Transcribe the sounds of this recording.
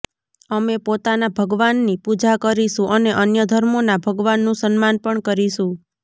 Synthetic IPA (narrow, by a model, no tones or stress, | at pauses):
əmepot̪anabʱəɡʋanːipud͡ʒakəɾiʃũʔəneʔənjəd̪ʱəɾmonabʱəɡʋanːũsənmanpəɳkəɾiʃũ